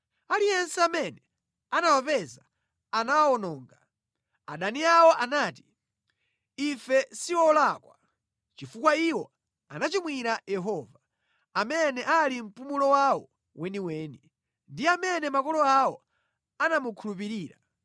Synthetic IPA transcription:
alijɛnsɛamɛnɛ | anawapɛza | anawwɔnɔːŋɡa | aɗaniawɔʔanaːti̥ | ifɛsiwɔlaːkwa | t͡ʃifukwaiwɔ | anat͡ʃimwiɾajɛɦɔva | amɛnɛʔalim̩pumulɔwawɔ | wʔɛniwɛːni | ndiamɛnɛmakɔlɔawɔ | anamukʰulup̬iɾiːɾa̰

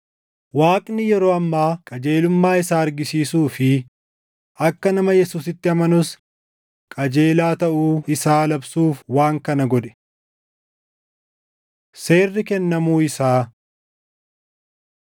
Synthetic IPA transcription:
waːkʼnɪjɛɾo̞ːɐmːaːkʼɐd͡ʒe̞ːlʊmːaːɪsaːɐɾɡɪsiːsuːfɪ | ʔɐkːɐnɐmɐjɛsuːsɪt̪ːɪɐmɐnʊs | kʼɐd͡ʒe̞ːlaːt̪ɐʔuːɪsaːlɐbsuːfwaːŋkɐnɐɡɔd̪ɛ̥ | seːrːɪkɛnːɐmuːɪsaː

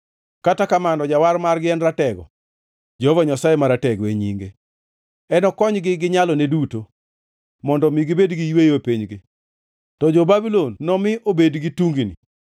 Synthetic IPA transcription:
katakamandɔd͡ʒawarmarɡɪɛnɾatɛɡɔ̰ | d͡ʒɔvaɲasajemaɾatɛɡweɲiŋɡe | ɛnɔkɔɲɡɪɡɪɲalɔneduto | mɔndɔmiɡɪbedɡijwejopiɲɡɪ | tɔd͡ʒɔbabilonːɔmɪʔobedɡituŋɡinḭ

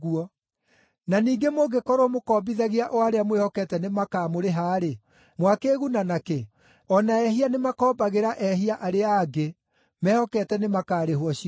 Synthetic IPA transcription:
uɔ | naniːɡemoɡekɔɾomokɔːbiðaɣeaʔɔaɾeamwehɔkɛtɛnemakaːmoɾeɦaːɾe | mwakeɣunanake | ɔnaɛɦianemakɔːbaɣeɾaʔɛɦiaʔaɾeaːɡe | mɛhɔkɛtɛnemakaːɾeɦwɔɕi

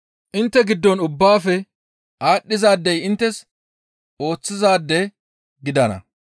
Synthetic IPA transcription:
ʔɪnt̪ːɛɡɪd̪ːɔnʊbːaːfɛ | ʔaːɗːɪzaːd̪ːɛjɪnt̪ːɛs | ʔo̞ːt͡sːɪzaːd̪ːɛ | ɡɪd̪ɐnɐ̰

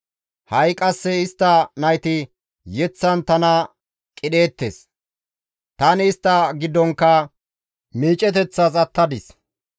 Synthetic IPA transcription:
hɐjkʼɐsːɛɪst̪ːɐnɐjt̪ɪ | jɛt͡sːɐnt̪ɐnɐ | kʼɪɗe̞ːt̪ːḛːs | t̪ɐnɪːst̪ːɐɡɪd̪ːɔŋkːɐ | miːt͡ʃʼɛt̪ɛt͡sːɐsɐt̪ːɐd̪ɪs

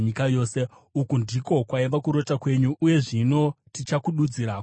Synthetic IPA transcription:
ɲikajo̞ːse̞ | ukundiko̞kwaiʋakuɾo̞takwe̞ɲuʔːje̞ʐino̞tit͡ʃakuɗud͡ziɾaːk

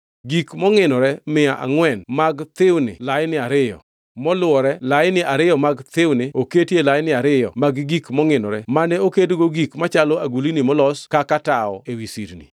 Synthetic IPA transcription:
ɡikmɔŋɪnɔɾɛmɪaʔa̰ŋwɛnmaɡt̪ɪwnɪ̰lajnɪaɾɪjɔ̰ | mɔlʊwɔɾɛlaɪnɪaɾɪjɔmaɡt̪ɪwnɪoketelajnɪaɾɪjɔ̰maɡɡikmɔŋɪnɔ̰ɾɛmanɛokedɡoɡikmat͡ʃalɔaɡulinɪmɔlɔskakataɔ̰ewisḭɾnḭ

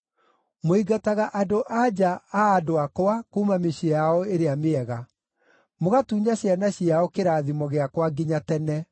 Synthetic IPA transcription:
moiɡataɣaʔadoʔad͡ʑaaːdoakowakumameɕiaɔeɾeameɛɣa | moɣatuːɲaɕjanaɕiaɔkeɾaðimɔɣeakwaɡiɲatɛnɛ

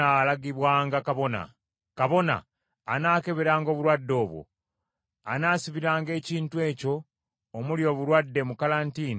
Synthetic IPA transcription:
alaɡiβwaːŋɡakaβo̞na̰ | kaβo̞na̰ː | naːke̞βeɾaŋɡo̞ːβuɾwadːo̞ːβwo̰ | anaːsiβiɾaːŋɡe̞ːciːntwe̞ːco̞ː | muljo̞ːβuɾwadːe̞mukalantiːni

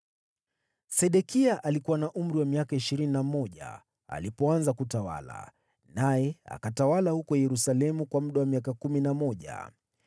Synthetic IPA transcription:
sɛɗɛkiaʔalikuwanaʔum̩ɾiwamiakaiʃiɾininamɔʄa̰ | a̰lipɔanzakutawa̰la̰ | najɛa̰katawalahukɔjɛɾusalɛmukwamuɗawamiakakuminamɔʄa̰

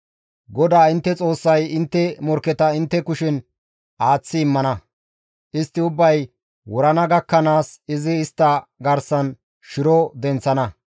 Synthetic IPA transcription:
ɡɔd̪aːɪnt̪ːɛt͡sʼo̞ːsːɐjɪnt̪ːɛmɔɾkːɛt̪ɐɪnt̪ːɛkʊʃɪn | ʔaːt͡sːɪːmːɐnɐ | ʔɪst̪ːɪʊbːɐj | wɔɾɐnɐɡɐkːɐnaːsɪzɪːst̪ːɐɡɐɾsɐn | ʃɪɾɔd̪ɛnt͡sːɐnɐ

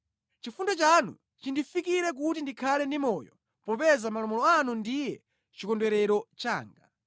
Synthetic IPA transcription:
t͡ʃifundɔt͡ʃanṵ | t͡ʃindifikiɾɛk̬utindikʰalɛndimɔjɔ | pɔpɛzamalɔmɔlɔanundijɛ | t͡ʃikɔndwɛɾɛɾɔt͡ʃa̰ːŋɡa̰

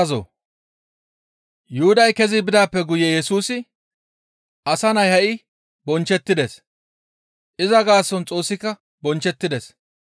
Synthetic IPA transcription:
zo̰ | jʊhʊd̪ɐjkɛzɪbɪd̪aːpːɛɡʊjɛjɛsuːsɪ | ʔɐsɐnɐjhɐʔɪ | bɔnt͡ʃːɛt̪ːɪd̪es | ʔɪzɐɡaːsːɔnt͡sʼo̞ːsːɪkːɐ | bɔnt͡ʃːɛt̪ːɪd̪ɛs

